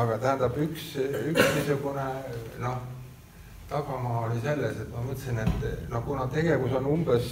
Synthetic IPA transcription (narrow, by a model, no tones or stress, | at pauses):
ɑɡ̥ɑt̪æhænd̪̥ɑb̥yksyksnisuɡuneno̞h | t̪ɑɡ̥ɑmɑːolise̞lːese̞t̪ːˑmɑmɤt̪ːˑsinet̪ːˑnohkunɑt̪e̞ɡ̥e̞vuso̞numb̥es